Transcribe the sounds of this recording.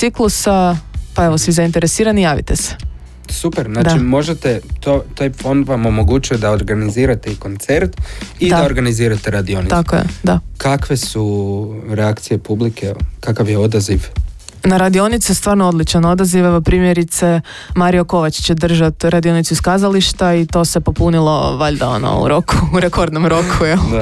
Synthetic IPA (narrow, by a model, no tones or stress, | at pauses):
t̪iklˠusapae̞ʋosʋizaint̪e̞ɾesiːɾanijaːʋḭt̪ese̥ | supeɾznaːd̪t͡ʃaimo̞ʒet̪et̪ot̪ajfo̞nd̪ʋamo̞mo̞ɡut͡ʃujod̪aoɾɡaniziːɾat̪eiko̞nt̪seɾt̪id̪ad̪aoɾɡaniziːɾat̪eɾad̪io̞nit̪akojḛd̪akakʋe̞suɾeakt̪sije̞publikekakaʋjeo̞d̪aziʋ | naɾad̪io̞nit̪sest̪ʋaːɾnoo̞d̪lit͡ʃano̞d̪aziʋeʋopɾiːmjeɾit̪se̞ | maɾijo̞ko̞ʋat͡ɕt͡ɕe̞d̪r̩ʒat̪ɾad̪io̞nit̪suiskaːzaliʃt̪ait̪o̞se̞po̞punilˠo̞̰ʋaʎd̪ao̰no̰ṵɾo̞ku̥uɾeko̞ɾd̪no̞mɾo̞kʰujel